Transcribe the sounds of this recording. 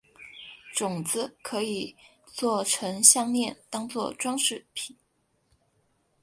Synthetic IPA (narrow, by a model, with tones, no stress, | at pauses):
ʈ͡ʂʊ˨˩ŋt͡sɹ̩˦kʰɤ˧˥i˨˩ | t͡swɔ˥˩ʈ͡ʂʰɤ˧˥ŋɕjɑ˥˧ŋljɛ˥˩nt̪ɑ˥ŋt͡swɔ˥˩ʈ͡ʂwɑ˥ŋʂɻ̩˥˩pʰi˨˩˦n